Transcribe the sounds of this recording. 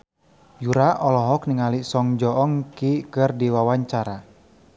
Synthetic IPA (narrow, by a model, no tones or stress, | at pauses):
juɾaʔɔlɔɦɔk̚niŋalisɔŋd͡ʒɔʔɔŋkikɨrdiwawaɲt͡ʃaɾa